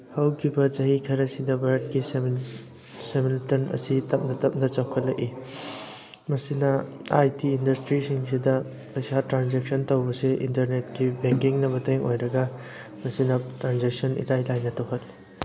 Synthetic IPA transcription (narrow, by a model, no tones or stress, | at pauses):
hɐwkʰibɐt͡ʃɐɦikʰɐɾɐsidɐbɐɾt̚kis | semiltɐnɐ̰sitɐp̚nɐtɐp̚nɐt͡ʃawkʰɐtlɐki | mɐsinɐajtiːndɐstɾisiŋsidɐ | pɐjsatɾanzek̚sɐntɐwbɐseḭntɐɾnet̚kibeŋkiŋnɐbɐtʰeŋojɾɐɡɐ | mɐsinɐtɾanzek̚sɐnḭtajlajnːɐtɐwɦʰɐt